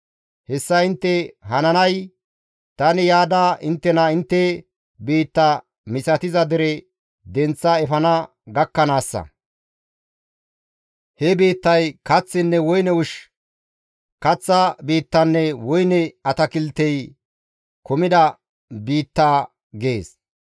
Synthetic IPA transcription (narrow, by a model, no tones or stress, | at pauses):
hɛsːɐɪnt̪ːɛɦɐnɐnɐj | t̪ɐnɪjaːd̪aːʔɪnt̪ːɛnɐɪnt̪ːɛ | biːt̪ːɐ | mɪsɐt̪ɪzɐd̪ɛɾɛ | d̪ɛnt͡sːɐɛfɐnɐ | ɡɐkːɐnaːsːɐ̰ | hɛbiːt̪ːɐjkɐt͡sːɪnːɛwɔjnɛʊʃ | kɐt͡sːɐbiːt̪ːɐnːɛwɔjnɛɐt̪ɐkɪlt̪ːɛj | kɔmɪd̪ɐ | biːt̪ːaː | ɡeːs